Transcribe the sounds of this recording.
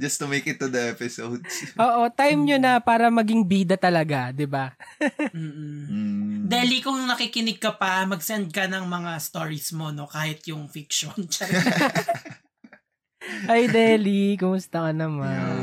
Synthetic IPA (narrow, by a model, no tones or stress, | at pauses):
d͡ʒɐst̪ʊmejkɪt̪ːud̪ɐɛpɪsowd̪sʔoːʔo̞t̪ajmɲonɐpaːɾɐmɐɡɪŋbiːd̪ɐt̪ɐlɐɡad̪ɪba | m̩ː | d̪ɛlikʊŋnɐkikɪnɪɡ̚kɐpɐmɐɡ̚sɛnd̪̚kɐnɐŋmɐŋast̪oːɹismo̞no̞kaːhɪt̪jʊŋfikʃont͡ʃɐɾɐ | ʔɐjd̪ɛːlikʊmʊst̪ɐkɐnɐman